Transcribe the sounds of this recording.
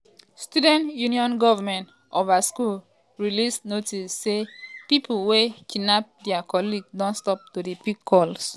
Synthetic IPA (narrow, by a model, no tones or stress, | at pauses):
studɛ̃ntjuniɔ̃nɡɔvamɛ̃nt | ʔovaskul | ɹilisnotisːepipʰulwekʰinap̚dɛakʰɔliɡdɔ̃nstɔp̚tudepikʰːɔls